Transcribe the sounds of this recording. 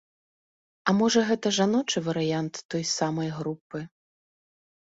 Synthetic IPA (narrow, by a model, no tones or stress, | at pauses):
ɐmɔʐɐɣɛt̪ɐʐanɔt͡ʂɨvɐɾɨjant̪ːɔjsamɐjɣɾupːɨ